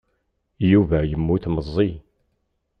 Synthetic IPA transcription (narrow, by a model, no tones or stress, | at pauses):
juvæjəmːuθməzˤːi